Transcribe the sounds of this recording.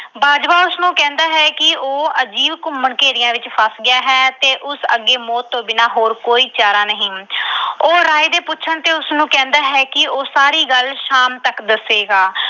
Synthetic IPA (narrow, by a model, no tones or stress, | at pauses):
baːd͡ʒʋaːʊsnũːkɛ̃ːnd̪aːɦɛːkɪoːəd͡ʒiːʋkʊmːəɳkeːɾɪjãːʋɪt͡ʃpʰəsɡɪjaːɦɛːt̪eːʔʊsə̰ɡːeːmɔːt̪ːõːbɪnaːɦoːɾkoːiːt͡ʃaːɾaːnəɦĩː | oːɾaːiːd̪eːpʊtːʃʰəɳt̪eːʊsnũːkɛ̃ːnd̪aːɦɛːkɪoːsaːɾiːɡəlʃaːmt̪əkd̪əseːɡaː